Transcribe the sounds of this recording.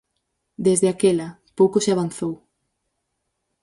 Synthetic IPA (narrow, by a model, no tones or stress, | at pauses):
d̪ezðeakelɐ | powkoseaβ̞anθow